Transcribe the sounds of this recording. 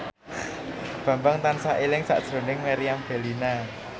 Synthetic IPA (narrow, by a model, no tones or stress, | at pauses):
b̥ä̤mbaŋt̪ansaʔelɪŋsa̰ʔd̥ɾo̤nɪŋmeɾiamb̥ɛ̤lina